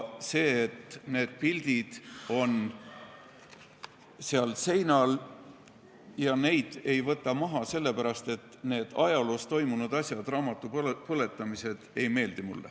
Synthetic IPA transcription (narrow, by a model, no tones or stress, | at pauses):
se̞ːet̪ne̞ːd̪̥̚pild̪̥id̪̥o̞n | seɑlse̞jnɑl | jɑne̞jd̪̥e̞jvɤt̪ːˑɑmɑɦɑse̞lːe̞pæɾɑst̪e̞t̪ːˑne̞ːd̪̥ɑjɑlost̪o̞jmunud̪̥ɑsʲjɑd̪̥rɑːmɑt̪ːˑuppɤle̞t̪ːˑɑmise̞d̪̥ejme̞ːld̪̥imṵlːḛ